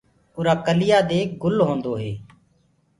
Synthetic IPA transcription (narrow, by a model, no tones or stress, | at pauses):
ʊːɾaːkəlɪjaːd̪eːɡʊlɦõːnd̪oːɦeː